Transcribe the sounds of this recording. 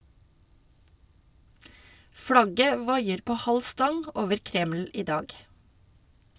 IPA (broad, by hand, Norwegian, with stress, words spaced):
ˈflɑɡə ˈʋɑɪəɾ ˈpoː ˈhɑl ˈstɑŋ ə ˈoːʋəɾ ˈkɾɛml̩ ˈiː ˈdɑːɡ